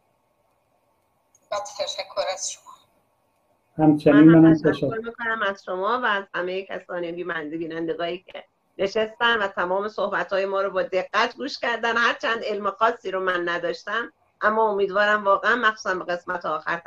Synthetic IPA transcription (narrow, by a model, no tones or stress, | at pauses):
bæt̪t̪eʃækʰːoɾæz̥ʃomɒ | hæmt͡ʃʰeminmanæmt̪ʰæʃæoɾmikʰonæmæz̥ʃomɒːvæːz̥hæme̞jecʰæ̰sɒːnibiːmænd̪ebiːnænd̪eɡɒːjiːcʰḛ | ne̞ʃest̪ænvæt̪ʰæmɒːme̞sohbæt̪hɒːje̞mɒːɾobɒːd̪e̞ɡːæt̪ʰɡuːʃcæɾd̪ænhæɾt͡ʃʰænd̪e̞lmexɒːsːiːɾomænːæd̪ɒːʃt̪æm | ʔæmːɒːomiːd̪vɒːɾæmvɒːɣeænmæxsuːsæmbeɣe̞smæt̪ʰeɒːxæɾ